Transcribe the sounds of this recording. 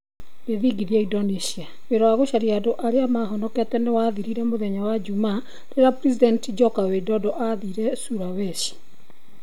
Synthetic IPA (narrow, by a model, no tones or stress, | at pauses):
ɡeðiɡiðiaidɔnisia | weɾɔwaɣoɕaɾiadoʔaɾeamaɦɔnɔkɛtɛnewaðiɾiɾɛmoðɛɲawad͡ʒuma | ɾeɾapɾis̬idɛntd͡ʒɔkawedɔdɔʔaðiɾɛsuɾawɛʃi̥